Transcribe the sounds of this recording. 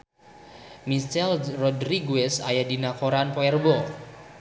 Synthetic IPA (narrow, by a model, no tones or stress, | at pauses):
mist͡ʃɛlrɔdɾiɡuɛsajadinakoɾanpɔɛrbɔ